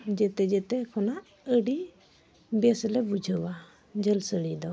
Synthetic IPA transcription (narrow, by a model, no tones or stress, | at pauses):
d͡ʒɛt̪ɛd͡ʒɛt̪ɛkʰɔnaʔ | əɖi | bɛslɛbud͡ʒʱəwa | d͡ʒəlsəɽid̪ɔ